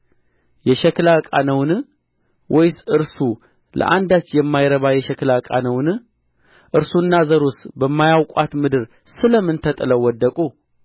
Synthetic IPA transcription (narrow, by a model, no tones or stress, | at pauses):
jɛʃɛklakʼanəwn | wʔɔjsɨɾsu | lʔə̰ʔand̪at͡ʃːjɛmːajɾəβajɛʃɛklakʼa̰nəwn | ʔɨɾsunːazəɾusbəmːajawkʷʼat̪mɨd̪ɨɾ | sɨləmːɨnt̪ʰət̪ʼɨləwɔd̪ːəkʼu